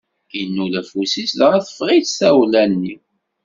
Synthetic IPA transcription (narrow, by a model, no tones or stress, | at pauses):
inːulæfusisðʁæθə̥fʁiθsæwlænːi